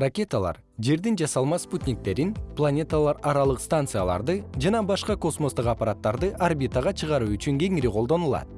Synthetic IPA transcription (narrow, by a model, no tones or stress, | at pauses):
rakʲe̞t̪alˠɑ̰ɾ | ʒe̞ɾd̪ɪnd͡ʒɑsɑlˠmɑsput̪ʲnʲik̚t̪e̞ɾɪnplˠanʲe̞t̪alˠɑɾɑɾɑlˠəqst̪ant̪sɨjalˠɑ̰ɾd̪ɨd͡ʒɑnɑbɑʃqɑko̞smo̞st̪əqɑpːaɾat̪ːɑɾd̪ɨʔarbʲit̪aʁɑt͡ʃʰəʁɑɾuʏt͡ʃyŋɡʲe̞ŋɪɾeqʰold̪o̞nulˠɑ̰d̪